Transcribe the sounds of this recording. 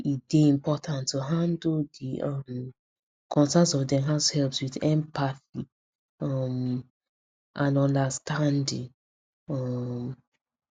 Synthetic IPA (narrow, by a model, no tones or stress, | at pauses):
id̥eĩmpɔtʰãntːuɦãndldiʔɔm | kʰɔ̃nsãnsɔvdɛɦaʊshɛlpswiθɛ̃mpaθi | ɔm | ʔãnɔ̃ndastandĩŋ | ɔm